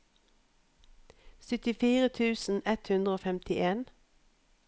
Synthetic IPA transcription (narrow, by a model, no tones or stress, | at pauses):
sʏt̪ɪfiːʁət̪ʰʉːsn̩ɛt̪hʉnd̪ʁəoːfɛmt̪ʰɪʔeːn